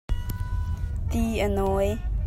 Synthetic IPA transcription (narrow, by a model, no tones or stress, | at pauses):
t̪iʔənɔj